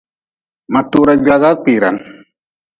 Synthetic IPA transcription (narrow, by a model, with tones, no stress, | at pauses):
ma˨t̪u˦ɾa˦d͡ʒa˧ɣa˦k͡pi˨ɾa̰˨n